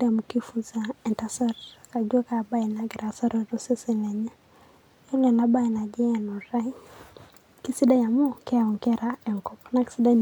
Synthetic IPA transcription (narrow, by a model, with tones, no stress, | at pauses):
da˨mu˨ki˦fu˦zaɛ˨nta˦sa˦ɾka˨d͡ʒwa˦ka˨ba˦i˨na˨ɡɾa˨sa˦ɾɔ˨ɾɔ˦se˦si˨lɛ˨ɲa˦ | ɛ˦lɛ˨na˨˦ba˦i˨na˨d͡ʒɛ˦ɛ˨nɔ˨ɾa˦i˦ | ki˦si˦da˦ja˨mo˦kɛ˦a˨wɔ˨ŋkɛ˦ɾaɛ˨ŋkɔ˦pɔ̥na˦ki̥˦si˦da˦